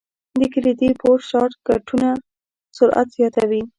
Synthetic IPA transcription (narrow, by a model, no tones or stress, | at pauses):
d̪əkəlid̪epoɾʃɑʈkaʈuna | sʊɾʔa̰t̪z̥jɑt̪awi